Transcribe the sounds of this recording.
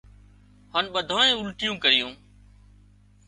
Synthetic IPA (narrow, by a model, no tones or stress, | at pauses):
honɓəd̪ʱõːẽːʊlʈɪjũːkəɾɪjũː